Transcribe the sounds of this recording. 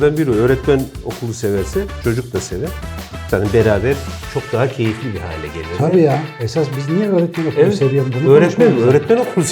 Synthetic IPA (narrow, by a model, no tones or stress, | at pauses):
d̪anbiɾø̞ːɾɛt̪mæno̞kʰulˠuse̞væɾsɛt͡ʃʰo̞d͡ʒuk̚lˠase̞vɛɾ | sanibeɾaːbæɾt͡ʃʰo̞k̚d̪aɦacʰe̞jiflʲibiha̰ːlʲɛ̰ɟe̞lʲijot̪ʰabiːjaesasbiznijɛøːɾɛt̪mænokʰlɛvˠɛsevijond̪ɯnøːɾɛt̪mɛøːɾɛt̪mæno̞kʰulˠus